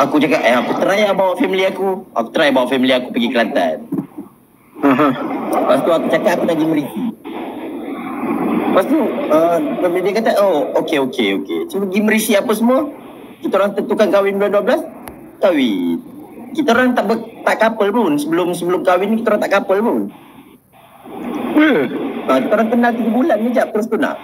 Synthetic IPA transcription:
akut͡ʃakaʔəakut̪əɾajabawaʔfamiliakua̰ku̥t̪əɾajabawaʔfamiliakupəɡikəlat̪a̰n | ə̃ɦə̃past̪uakut͡ʃakat̪akunaɡiməɾisi | past̪uəpamilidiakat̪aŋookeokeokḛsəpəɡiməɾisiapəsəmua | kit̪aoɾaŋt̪ənt̪ukankawɪnduanduabəlas | kawḭ | kit̪aoɾaŋt̪aʔbət̪aʔkapəlbənsəbəlʊms̬əbəlʊmkawɪnikit̪aoɾaŋt̪aʔkapəlbən | əəkit̪aoɾaŋt̪ənalt̪iɡəbulanɲəd͡ʒat̪əɾʊs̬t̪una̰ʔ

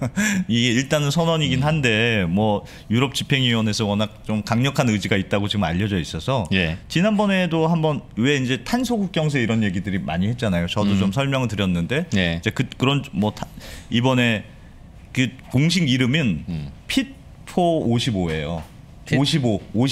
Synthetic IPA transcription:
iɡe̞iɭt͈anɯnsʰʌnʌɲiɡinɦande̞mwʌ | juɾʌp̚t͡ɕipʰe̞ŋɥiwʌne̞sʰʌwʌnak̚t͡ɕ͈omkaŋɲʌkʰanɯd͡ʑiɡait̚t͈aɡot͡ɕiɡɯma̰ʎːʌd͡ʑʌis͈ʌsʰʌjet͡ɕinanbʌne̞dohambʌnwe̞ind͡ʑe̞tʰansʰoɡuk̚k͈jʌŋs̬ʰeiɾʌnje̞ɡidɯɾima̰ɲihet̚t͡ɕ͈anajot͡ɕʌdot͡ɕomsʰʌɭmjʌŋɯɭtɯɾjʌnːɯnde̞id͡ʑe̞kɯkɯɾʌnmwʌtʰibʌne̞ | kɯ | koŋɕ̬ʰiɡiɾɯmɯnpʰit̚ | pʰooɕʰiboe̞jo | oɕʰiboo

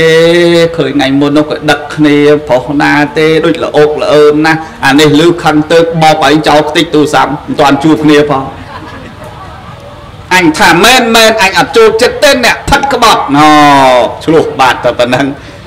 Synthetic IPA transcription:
ekʰəːɲŋajmʊənɔhkəɗəkʰːniəpʰɔhnaːt̪eːɗoːc̚lə̰ʔoːk̚ləʔəːnahʔanihlɨːkʰəŋt̪əːp̚ɓɑːk̚ʔaːt͡ɕawlkʰt̪ɨc̚t̪uːsammənt̪ŏənt͡ɕuəpkʰniəpʰɑːŋ | ʔaɲt̪ʰaːmɛːnmɛːnʔaɲʔɑt̪̚t͡ɕoːlt͡ɕət̪ːeːnɛ̆əʔpʰət̪̚kə̆ɓɑt̪̚nɔːt͡ɕʰlʊ̆əhɓaːt̪̚ʰːapənəŋ

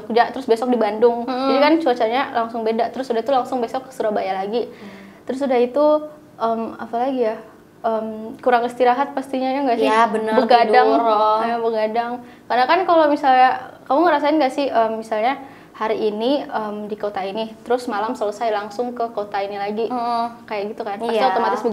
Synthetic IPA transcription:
kd͡ʒat̪əɾʊsbesɔk̚dibandʊŋd͡ʒinikant͡ʃuat͡ʃaɲalaŋsʊŋbedaʔt̪əɾʊsudaɦit̪ulaŋsʊŋbesɔkːə̥suɾahbajalaɡit̪əɾʊsudahit̪u | ʔəma̰palaɡija | əmkuɾaŋist̪iɾaɦat̪̚past̪iɲajaŋɡaʔsɪbənəbəɡadaŋrɔabəɡadaŋ | karnakankalomisalɲakamuŋəɾasaɪnɡaʔsɪhʔəmːisalɲa | haɾiːniəmdikot̪ainit̪əɾʊsmalamsələsajlaŋsʊŋkəkot̪ainilaɡikajaʔɡit̪ukanpasiat̪omat̪ɪsb

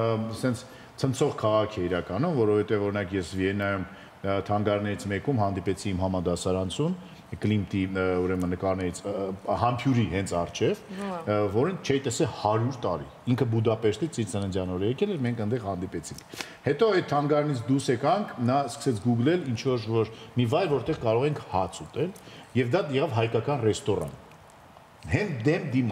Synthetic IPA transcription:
sɛnt͡sʰ | t͡sʰənt͡sʰɔʁkʰɑʁɑkʰɛiɾɑkɑnumvɔɾɔvɛt̪ɛvɔɾinɑkjɛsviɛnɑjum | t̪ʰɑŋɡɑɾnɛɾit͡sʰmɛkumɦɑnd̪ipɛt͡sʰiːmɦɑmɑd̪ɑsɑɾɑnt͡sʰun | klimt̪iuɾɛmənəkɑɾnɛɾit͡sʰhɑmpʰjuɾiɦɛnt͡sʰɑrt͡ʃʰɛvvɔɾənt͡ʃʰɛjit̪ɛsɛlhɑɾjuɾt̪ɑɾḭ | iŋkʰəbud̪ɑpɛɾt̪it͡sit͡sɛnɛnd͡zjɑnɔɾəjɛkɛlɛɾmɛŋkʰənd̪ɛʁhɑnd̪ipɛt͡sʰiŋkʰ | hɛt̪ɔɛt̪̚t̪ʰːɑŋɡɑɾnit͡sʰd̪usɛkɑŋkʰnɑskə̥sɛt͡sʰɡuɡlɛlint͡ʃʰvɔɾvɔɾmivɑjɾvɔɾt̪ɛʁkɑɾɔʁɛŋkʰhɑt͡sʰut̪ɛljɛvd̪ɑjɛʁɑvɦɑjkɑkɑnrɛst̪ɔrɑ̰n | ɦɛnd̪ɛmd̪im

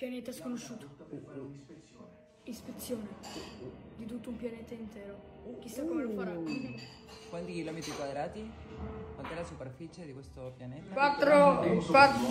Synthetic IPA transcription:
pjanɛːt̪askonoʃːuːt̪o̥ | ispet̪sːjoːne | d̪it̪ut̪ːoumpjanet̪aint̪ɛːɾok̟isːakːomelokfaɾa | kwant̪ikilɔmet̪ɾikwad̪ɾaːt̪ikwant̪ɛlasuperfit͡ʃed̪ikwest̪opjanɛkwat̪ːɾowa

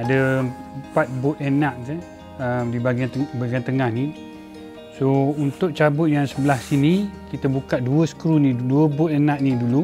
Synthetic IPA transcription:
adəəmpat̪̚bʊt̪̚enãʔse | əmdibaɡaəbaɡant̪əŋahni | sount̪ʊʔ̚t͡ʃabʊt̪̚jaŋsəbəlasinikit̪əbukaʔ̪̚duəsə̥kɾuniduəbʊt̪enaʔnidulu

